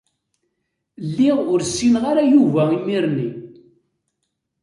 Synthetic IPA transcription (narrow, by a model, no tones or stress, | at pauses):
lːiʁʊɾsːinʁaɾajuvæimiɾni